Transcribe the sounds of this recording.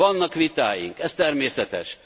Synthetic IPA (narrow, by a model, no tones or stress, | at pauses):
ɒnːɒkʋit̪aːjḭŋkɛst̪ɛrmeːsɛt̪ɛ̰ʃ